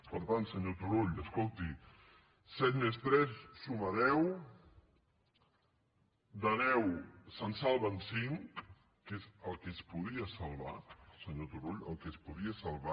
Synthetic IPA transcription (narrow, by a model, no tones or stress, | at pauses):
pəɾt̪ant̪səɲot̪uɾoʎəskolˠt̪i | sɛt̪mest̪ɾɛssumaðɛw | d̪anɛwsansalˠβənsiŋk | kezəlˠkespuð̞iəsalˠβasəɲot̪uroʎə̰lˠkespuðiəsalˠβa